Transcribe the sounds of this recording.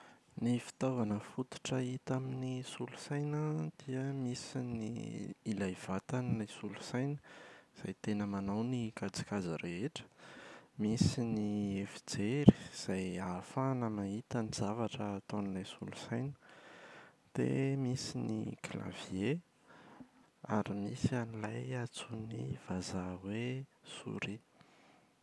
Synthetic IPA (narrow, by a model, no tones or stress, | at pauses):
nifi̥t̪avanəfut̪u̥ʈ͡ʂəit̪aminisulusajnəd̪̥iəmisinḭːlajv̥at̪anilajsulu̥sajnəz̥ajt̪enəmanawnikad͡zi̥kazəɾeɦeʈ͡ʂə̥misiniefi̥d͡zeɾi̥z̥ajafanəmait̪anizavaʈ͡ʂəːt̪onilajsulusajnə̥ | d̪̥ḛmisinḭkla̰vie | aɾimisianilajat͡sunḭvazawesṵɾi